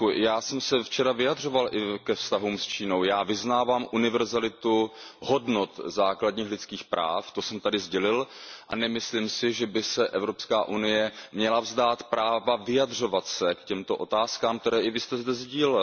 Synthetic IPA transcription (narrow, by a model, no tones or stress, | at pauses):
jaːsɛmsɛft͡ʃɛɾavɪjadr̝o̞valʔɪkɛfst̪aɦuːmst͡ʃiːnowjaːvɪznaːvaːmʔunɪvɛɾzalɪt̪uho̞dnot̪zaːkladɲiːxlɪt͡skiːxpɾʔa̰ːft̪osɛmt̪adɪzɟɛlɪlʔa̰nɛmɪslimsɪʒɛbɪsɛʔɛvɾo̞pskaːʔunɪjɛmɲɛlavzdaːt̪pɾʔaːvavɪjadr̝o̞vat̪sɛkcɛmt̪oʔo̞̰t̪aːskaːmk̚t̪ɛɾɛːʔɪvɪst̪ɛzdɛzɟiːl